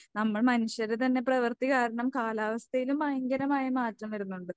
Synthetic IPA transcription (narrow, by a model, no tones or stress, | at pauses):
nɐmːɐɭmɐniɕjɐɾet̪̬ɐnːe̞prɐʋɐrt̪iɣaːɾɐɳɐmkaːlaːʋɐst̪ʰɐjilumːɐjɐŋɡɐɾɐmaːjɐmaːtrɐmɐɾunːuɳɖɨ